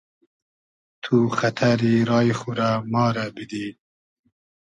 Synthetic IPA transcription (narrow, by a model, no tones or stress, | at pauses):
t̪ʰuxat̪ʰaɾiɾɑːjixuɾamɑːɾabid̪iː